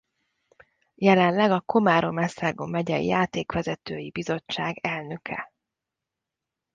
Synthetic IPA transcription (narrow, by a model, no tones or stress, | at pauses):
jɛlɛnlɛɡɒko̞maːɾo̞mɛsaːɡomːɛɟɛ̰jaːt̪eːkʋɛzɛt̪øːjibizo̞t͡ʃːaːɡɛlnø̞kʰɛ̰